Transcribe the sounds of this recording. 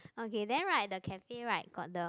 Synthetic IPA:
okedɛ̃nɹaɪt̚dəkʰɛfeɹaɪt̚ɡ̥ɔdə

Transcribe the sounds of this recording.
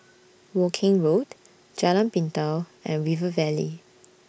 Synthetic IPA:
wɔkʰɪ̃ŋɹot | d͡ʒɛlãnpĩntawɛ̃nɹivəvɛlḭ

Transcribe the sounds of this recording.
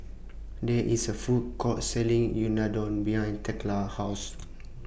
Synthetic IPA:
dɛʔisəfud̚kʰɔtsɛlĩŋjunadɔ̃nbiãj̃ntʰɛklahas

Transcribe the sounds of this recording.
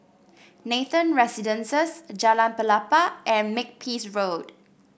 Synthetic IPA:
neθə̃nɹɛsidə̃nsəsd͡ʒalãnpəlapaʔɛ̃nmɪk̚pʰisɹod

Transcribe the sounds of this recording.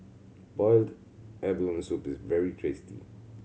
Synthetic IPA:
b̥ɔɪld | ɛblɔ̃msupɪsvɛɹitʰɹestḭ

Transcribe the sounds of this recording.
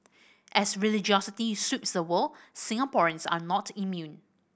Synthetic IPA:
ʔɛsɹilɪd͡ʒiɔsɪtisutsdəwəlsɪ̃ŋapɔɹə̃nsa̰nɔtʰimjũn

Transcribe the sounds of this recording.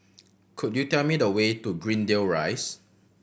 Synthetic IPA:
kʰudjutɛlmidəwetuɡɹĩndelɹa̰ɪs

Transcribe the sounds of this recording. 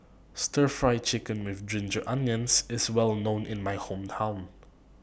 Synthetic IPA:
stəɹfɹajt͡ʃɪkə̃nwɪθdɹɪ̃nd͡ʒəʔãnjə̃nsɪswɛlnõʊ̃nʔɪ̃nmajhõmtʰãw̃n

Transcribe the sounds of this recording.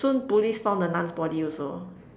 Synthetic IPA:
sũnpulisfãʊw̃ndənãnsbɔdiɔso

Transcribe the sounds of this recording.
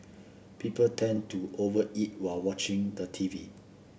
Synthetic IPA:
pipəltʰɛ̃ntuʔovəʔit̚walwɔt͡ʃɪ̃ŋdətʰivi

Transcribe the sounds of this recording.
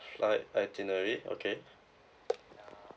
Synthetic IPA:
flajajt̪inəɹio̰kʰe

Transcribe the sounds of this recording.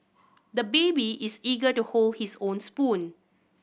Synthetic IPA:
dəbebiʔisiɡətuholhisõnspũn

